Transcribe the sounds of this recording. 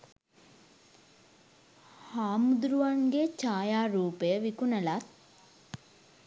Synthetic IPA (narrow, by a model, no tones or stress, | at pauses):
haːmud̪ɾuʋaŋɡet͡ʃaːjaːɾuːpəjəʋikunəlat̪̚